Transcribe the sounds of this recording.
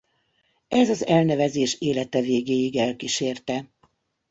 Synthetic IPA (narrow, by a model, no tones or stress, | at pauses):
ɛzɒzɛlnɛvɛzeːʃeːlɛt̪ɛveːɡeːjiɡɛlkiʃeːrt̪ɛ